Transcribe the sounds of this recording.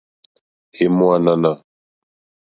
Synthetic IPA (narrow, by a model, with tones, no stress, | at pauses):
e˨mo˦a˦na˦na˦˨